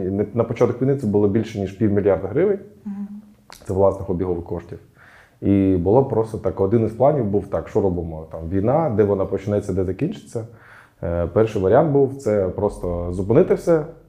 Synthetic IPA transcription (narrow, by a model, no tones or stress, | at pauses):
nɛnɐpɔt͡ʃat̪ɔkʋʲijnɪt̪sɛbʊlˠɔbʲilʲʃɛnʲiʂpʲiwʲmʲilʲjɑrd̪ɐɦɾɪʋɪnʲ | t̪sɛʋlˠɑsnɪxɔbʲiɦɔʋɪkɔʃtʲiw | ibʊlˠɔpɾɔst̪ɔt̪ɑkɔd̪ɪnisplˠɑnʲiwbuwt̪ɑkʃt͡ʃɔɾɔbɪmɔt̪ɑmʋʲijnɑd̪ɛʋɔnɑpɔt͡ʃɪnajet͡sʲːɐd̪ɛzɐkʲinʲt͡ʃɪ̥t͡sʲːɐ | pɛrʃɪjʋɐɾʲɪant̪̚buwt̪sɛpɾɔst̪ɔzʊpɪnɪt̪ɪwsʲɛ